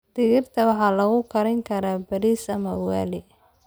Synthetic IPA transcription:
d̪̥ɪɣɪrt̪ʰɐwɑħɑːlɐɣʊkʰɐɾɛŋkʰɐɾaːbɐɾiːsɐmɐwaːlɪ

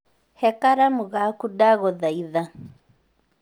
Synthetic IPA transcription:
hɛkaɾamuɣakudaɣɔðaiða

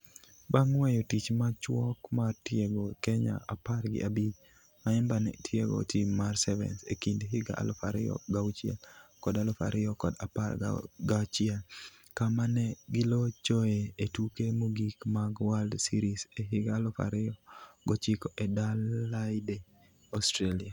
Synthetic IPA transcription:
baŋwɛjɔtit͡ʃmat͡ʃwɔkmartjeɡokɛɲa̰ʔaparɡɪ̰ʔabit͡ʃ | maɛmbanɛ̰tʰjeɡo̰timarsɛvɛ̰nsḛkindɦɪɡa̰ʔa̰lɔ̰faɾɪɔ̰ɡaut͡ʃiɛ̰lkɔdalofa̰ɾʔɪjɔkɔdapa̰ɾɡat͡ʃial | kamanɛɡɪlot͡ʃɔeetukemuɡikmaɡwaldsiɾiseɦɪɡaːlofa̰ɾɪɔɡɔt͡ʃikɔʔɛdalːaɪde | ɔstɾelia

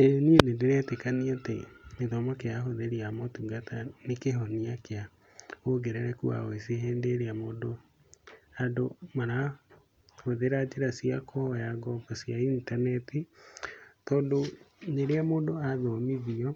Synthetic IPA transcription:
eɾenienendeɾɛtekaniatemeðɔmɔkejaɦoðeɾiamɔtuɡatanekeɦɔniakea | hoɡeɾɛɾɛkṵa̰oeseɦɛːndeːɾeamoːndo | adomaɾa | hoðeɾad͡ʑeɾasiakʰɔhɔjaɡɔɡɔsiaintanɛti | tɔːndoneɾeamoːndoaðɔmiðiɔ

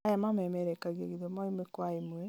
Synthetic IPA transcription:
ajamamɛmɛɾɛkaɣeɣiðomɔimwekwaimwe

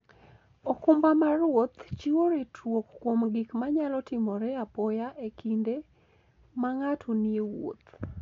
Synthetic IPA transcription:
okʊmbamarwot̪t͡ʃiwoɾetʰwokːwomɡɪkmaɲalɔtɪmɔɾɛapɔjaʔekʰinde | maŋatʰuniewo̰t̪

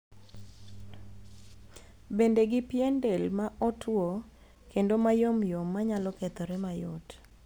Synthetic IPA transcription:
bendeɡɪpjendelmaʔɔtwo | kendomajomjomːaɲalɔket̪ɔɾɛmajɔt

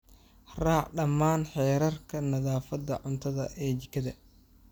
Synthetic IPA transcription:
raːʕɖɐmːaːnħɛːɾɐrkʰɐnɐðaːfɐd̪ɐ̰ʕʊnt̪ʰɐðɐ̰ʔɛːt͡ʃɪkʰɐðɐ

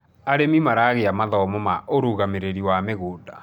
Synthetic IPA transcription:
aɾemimaɾaɣeamaðɔmɔmaʔoɾuɣameɾeɾiwameɣoːda

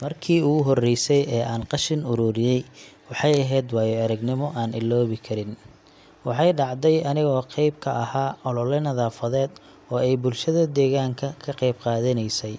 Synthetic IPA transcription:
mɐrkʰiːʊɣʊɦɔrɛjsɛjɛːʔaːnqɑʃɪnʊɾuːɾɪjɛjwɑħɑjɐɦɛːd̪wɑːjɔɐɾɐɡnɪmɔʔaːnʔɪlːɔːβɪkʰɐɾɪn | wɑħɑjɖɑʕd̪ɛjɐnɪɣɔːqɛjb̚kʰɐʔɐhaːɔlɔlɛnɐðaːfɐðɛːd̪ | ɔːɛjbʊlʃɐðɐd̪ɛːɣaːŋkʰɐkʰɐqɛjbqɑːðɐnɛjsɛj

